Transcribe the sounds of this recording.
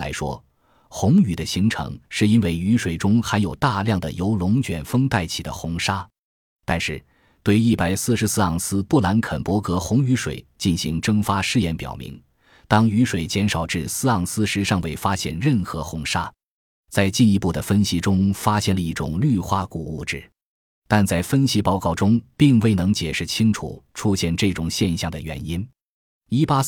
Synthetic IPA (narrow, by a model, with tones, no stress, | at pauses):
la̰˧˥ɪʂwɔ̰˥ | xʊ˧˥ŋy˨˩d̪ə˦ɕi˧˥ŋʈ͡ʂʰɤ̰˧˥ŋʂɻ̩˥˩i˥nwe˥˩ɪy˧˥ʂwe˨˩ɪʈ͡ʂʊ˥ŋxa˧˥ɪjo˨˩ʊt̪a˥˧ljɑ˥˩ŋd̪ə̰˩jo˧˥ʊlʊ˧˥ŋt͡ɕɥɛ˨˩nfɤ˥ŋt̪a˥˩ɪt͡ɕʰi˨˩d̪ə̰˦xʊ˧˥ŋʂa˥ | t̪a˥˧nʂɻ̩˥˩ | t̪we˥˧ɪi˥˩pa˨˩ɪsɹ̩˥˩ʂɻ̩˧˥sɹ̩˥ɑ˥˩ŋsɹ̩˥pu˥˩la˧˥nkʰə˨˩npwɔ˧˥kɤ˧˥xʊ˧˥ŋy˧˥ʂwḛ˨˩ɪt͡ɕi˥˩nɕi˧˥ŋʈ͡ʂɤ˥ŋfa˥ʂɻ̩˥˧jɛ˥˩npjɑ̰˨˩ʊmḭ˧˥ŋ | t̪ɑ˥ŋy˧˥ʂwe˨˩ɪt͡ɕjɛ˧˥nʂɑ˨˩ʊʈ͡ʂɻ̩˥˩sɹ̩˥ɑ˥˩ŋsɹ̩˥ʂɻ̩˧˥ʂɑ˥˧ŋwe˥˩ɪfa˥ɕjɛ̰˥˩nɻə˥˩nxɤ˧˥xʊ˧˥ŋʂa˥ | t͡sa˥˧ɪt͡ɕi˥˩ni˧˥pu˥˩d̪ə˩fə˥nɕi˧˥ʈ͡ʂʊ˥ŋfa˥ɕjɛ˥˩nlə˧i˥˩ʈ͡ʂʊ̰˨˩ŋly˥˧xwa˥ku˨˩u˥˩ʈ͡ʂɻ̩˥˩ | t̪a˥˧nt͡sa˥˩ɪfə˥nɕi˧˥pɑ˥˧ʊkɑ˥˩ʊʈ͡ʂʊ˥ŋpi˥˧ŋwe˥˩ɪnɤ˧˥ŋt͡ɕjɛ˨˩ʂɻ̩˥˩t͡ɕʰi˥ŋʈ͡ʂʰṵ˨˩˦ʈ͡ʂʰu˥ɕjɛ˥˧nʈ͡ʂɤ˥˩ʈ͡ʂʊ˨˩ŋɕjɛ˥˧nɕjɑ˥˩ŋd̪ə˩ɥɛ̰˧˥ni˥n | i˥pa˥